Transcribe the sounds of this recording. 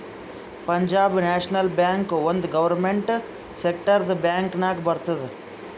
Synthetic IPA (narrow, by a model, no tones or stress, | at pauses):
pɐɲd͡ʒaːbneːʃnəlbjaːŋkʋɐ̃nd̪ɡɐʋɐɾmẽɳʈ | seːk̚ʈəɾd̪ɨbjaːŋknaːkbɐɾt̪əd̪